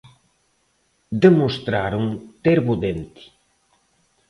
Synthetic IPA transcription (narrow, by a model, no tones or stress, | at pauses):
d̪emost̪ɾaɾuŋt̪eɾβuðent̪i̥